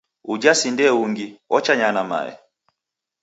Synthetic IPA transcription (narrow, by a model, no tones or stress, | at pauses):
ud͡ʒasindɛuŋɡiɔt͡ʃaɲanama̰ɛ̰